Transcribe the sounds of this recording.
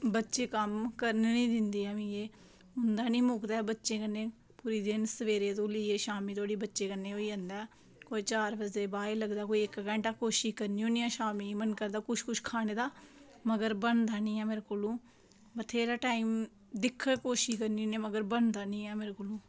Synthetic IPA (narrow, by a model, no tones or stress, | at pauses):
bətːʃeːkəmkəɾnnĩːd̪ɪnd̪iːɛːmĩːeː | ʊnd̪aːnĩːmʊːkd̪aːbətːʃẽːkənːeː | puːɾiːd̪ɪnsəʋeːɾeːt̪̬õːliːeːʃaːmiːt̪ʰoːɽiːbətːʃeːkəneːoːiːə̃nd̪ɛː | koːit͡ʃaːɾbəzeːbaːeːləɡd̪aːkoːiɪkɡɛ̃ːɳʈaːkoːʃiːkəɾniːõːniːɛ̃ːʃaːmiːmənkəɾd̪aːkʊʃkʊʃkʰaːneːd̪aː | məɡəɾbəɳd̪aːnĩːɛːmeːɾekoːlũː | bət̪ʰeːɾaːʈaːiːm | d̪ɪkʰːkoːʃiːkəɾniːoːnẽːməɡəɾbəɳd̪aːnĩːɛːmeːɾekoːlũː